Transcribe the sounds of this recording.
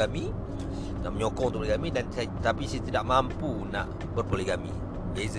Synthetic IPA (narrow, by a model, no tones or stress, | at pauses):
amĩ | danməɲokɔŋt̪upliɡamĩdanst̪apisajat̪idaʔmampunã̰ʔ | bərpoleɡamḭ̃ | ez